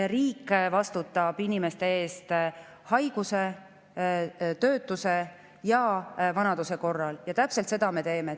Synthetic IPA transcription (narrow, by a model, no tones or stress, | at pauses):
riːkːvɑst̪ut̪ːˑɑb̥inime̞st̪e̞e̞ːst̪ | hɑjɡ̥use | t̪ø̞ːt̪ːˑuse̞ | jɑvɑnɑd̪̥use̞ko̞rːɑljɑt̪æpselt̪se̞d̪̥ɑme̞t̪e̞ːme